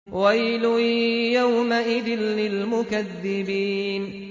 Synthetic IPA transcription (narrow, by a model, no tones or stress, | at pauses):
wajlʊjawmaʔɪd̪ɪnːɪlmʊkaðːɪbiːn